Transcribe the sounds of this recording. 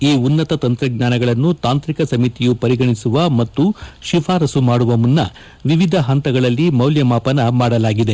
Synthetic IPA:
iːunːɐt̪ɐt̪ɐnt̪ɾɐɡɲaːnɐɡɐɭɐnːut̪aːnt̪ɾikɐsɐmit̪ijupɐɾiɡɐɳisuʋɐmɐt̪ːuʃifʰaːɾɐsumaːɽuʋɐmunːɐ | ʋiʋid̪ʱɐɦɐnt̪ɐɡɐɭɐlːimɐwljɐmaːpɐnɐmaːɽɐlaːɡid̪e̞

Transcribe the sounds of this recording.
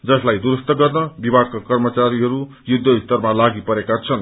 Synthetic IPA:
d͡zʌslajd̪uɾust̪ʌɡʌrnʌbibʱaɡ̚kakʌrmʌt͡saɾiɦʌɾu | jud̪ʱːʌist̪ʌrmalaɡipʌɾekat͡sʰʌn

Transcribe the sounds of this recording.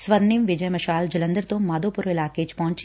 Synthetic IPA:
sʋɐd̪nimʋɪd͡ʒɐjmɐʃaːld͡ʒɐlɐ̃nd̪əɾt̪õːmad̪oːpʊɾʋɪlaːket͡ʃpɐɦʊ̃ɲt͡ʃ

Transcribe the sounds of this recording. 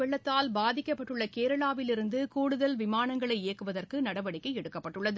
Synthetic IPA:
ɛɭːɐt̪ːaːlbaːðɪkːɐpːɐʈːɯɭːɐkeːɾɐɭaːʋɪlɪɾɯnd̪ɯkuːɽɯðɐlʋɪmaːnɐŋɡɐɭɐɪeːɐkːɯʋɐðɐrkɯnɐɽɐʋɐɽɪkːɐɪɛɽɯkːɐpːɐʈːɯɭːɐðɯ

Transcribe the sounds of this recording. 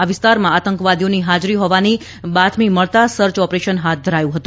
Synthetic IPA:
aʋɪst̪aɾmãat̪əŋkʋad̪ijoniɦad͡ʒɾiɦɔʋani | bat̪ʰmiməɭt̪asəɾt͡ʃɔpɾeʃənɦat̪̚ʰd̪ʱəɾajũɦət̪ũ

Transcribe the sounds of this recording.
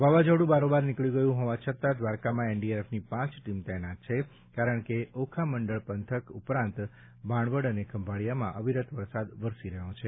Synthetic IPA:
ʋaʋad͡ʒəɽũbaɾobaɾnɪkɭiɡəjũɦɔʋat͡ʃʰət̪ad̪ʋaɾkamãeɳɖieɾefnipãt͡ʃʈimt̪ɛnat̪̚t͡ʃʰe | kaɾəɳkeokʰaməɳɖəɭpənt̪ʰəkupɾãnt̪ | bʱãɳʋəɽənekəmbʱaɭijamãʔəʋiɾət̪ʋəɾsad̪ʋəɾsiɾəɦõt͡ʃʰe

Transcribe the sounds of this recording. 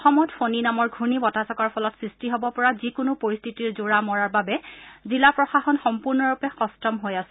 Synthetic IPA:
ɔxɔmɔtfoninamɔɹɡʱunibɔtasɔkaɹpʰɔlɔtsɹistiɦɔbɔpɔɹazikʊnʊpoɹist̪ʰitiɹzuɹamɔɹaɹbabɛzilapɹɔxaxɔnxɔmpuɹnɔɹupɛxɔstɔmɦojasɛ

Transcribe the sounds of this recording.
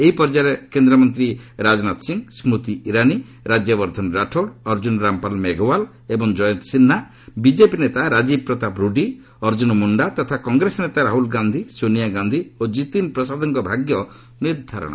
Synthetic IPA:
eɦipɔɾd͡ʒaɾekend̪ɾɔmɔnt̪ɾiɾad͡ʒnat̪siŋsmɾut̪iiɾani | ɾad͡ʒjɔbɔɾd̪ʱɔnɾaʈʰoɽɔɾd͡ʒunɾampalmeɡʱɔwal | ebɔŋd͡ʒɔjɔnt̪sinːa | bid͡ʒepinet̪aɾad͡ʒib̚pɾɔt̪apɾuɖi | ɔɾd͡ʒunmuɳɖat̪ɔt̪ʰakɔŋɡɾesɔnet̪aɾaɦulɡand̪ʱisonijaɡand̪ʱiod͡ʒit̪inpɾɔsad̪ʱɔŋkɔbʱaɡjɔ | niɾd̪ʱaɾɔ̰ɽ̰̃

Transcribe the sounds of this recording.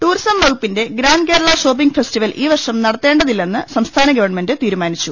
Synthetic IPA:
ʈ̪uːrsɐmːɐɣupːinde̞ɡɾaːnke̞ːɾɐɭɐɕo̞ːpːiŋɡfestiʋɐlʔiːʋɐrʂɐmnɐɽɐt̪ːe̞ːɳɖɐðilːe̞nːɨsɐmst̪ʰaːnɐɡɐʋɐɳme̞ndɨt̪iːɾumaːnit͡ɕːu

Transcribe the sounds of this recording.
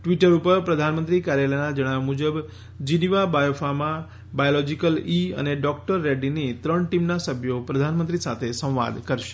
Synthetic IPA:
ʈʋiʈəɾupəɾpɾəd̪ʱanmənt̪ɾikaɾjalənad͡ʒəɽ̃aʋmud͡ʒəb | d͡ʒiniʋabajofamã | bajolɔd͡ʒikəliə̰neɖɔk̚ʈəɾːeɖinit̪ɾəɳʈimnasəbʱjopɾəd̪ʱanmə̃nt̪ɾisat̪ʰesə̃w̃ʋa̰d̪kəɾʃe̥

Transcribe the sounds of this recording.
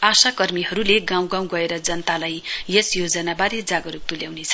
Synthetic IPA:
asakʌrmiɦʌɾuleɡãw̃ɡãw̃ɡʌeɾʌd͡zʌnt̪alajjesjod͡zʌnabaɾed͡zaɡʌɾuk̚t̪uljawnet͡sʰʌ̥

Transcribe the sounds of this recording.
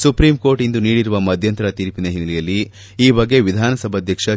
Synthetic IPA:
supɾiːmko̞ːɾʈind̪uniːɽiɾuʋɐmɐd̪ʱjɐnt̪ɐɾɐt̪iːɾpinɐɦinːɐlɛjɐlːi | iːbɐɡːe̞ʋid̪ʱaːnɐsɐbʱɐd̪ʱjɐkʂɐ

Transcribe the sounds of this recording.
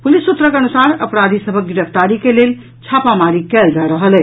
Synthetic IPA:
pulisːut̪ɾəkeənusaɾə̰pɾad̪ʱisəbʱək̚ɡiɾəpʰt̪aɾikelel | t͡ʃʰapamaɾikɛld͡ʒaɾəɦəlɛ

